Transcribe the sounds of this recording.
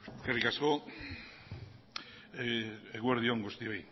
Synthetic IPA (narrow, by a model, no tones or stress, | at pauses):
kerikasko | eeɣweɾðjoŋɡost̪ioj